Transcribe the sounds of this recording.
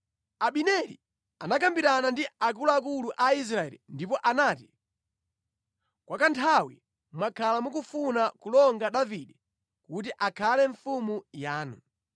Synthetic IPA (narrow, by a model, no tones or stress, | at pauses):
aɓinɛlḭ | anak̬ambiɾanandiak̬ulaak̬uluʔais̬ɾaɛ̰lḭndipɔʔanaːti̥ | kwakantʰawi | mwakʰalamuk̬ufunakulɔŋɡaɗaviɗɛ | kut̬iʔakʰalɛɱfumujaːnṵ